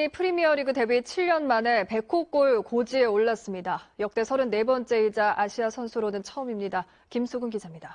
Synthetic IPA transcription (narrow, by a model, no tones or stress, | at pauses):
ipʰɯɾimiʌɾiɡɯte̞bit͡ɕʰiɭːʌnmane̞pe̞kʰok͈oɭkod͡ʑie̞oɭːas͈ɯmɲidajʌk̚t͈e̞sʰʌɾɯnːe̞bʌnt͡ɕ͈e̞id͡ʑaʔaɕʰiasʰʌnsʰuɾonɯnt͡ɕʰʌɯmimɲida | kimsʰuɡɯnɡid͡ʑamɲida